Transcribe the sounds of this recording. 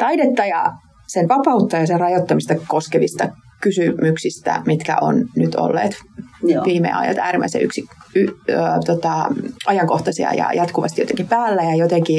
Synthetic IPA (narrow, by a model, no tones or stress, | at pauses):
t̪ɑidet̪ːɑjɑ̰ | senʋɑpɑut̪ːɑjɑserrɑjot̪ːɑmist̪ɑkoskeʋist̪ɑ | kysymyksist̪æ̰mit̪kæ̰ʔo̰nnyt̪ʰo̰lːḛːt̪ʋiːmḛɑ̰jɑ̰t̪æːɾimʔæ̰isḛy̰ksiyt̪ot̪ɑʔɑjɑŋkoht̪ɑsiɑ̰jɑ̰jɑt̪kuʋɑ̰st̪ijot̪eŋkipæːlːæjɑjot̪eŋki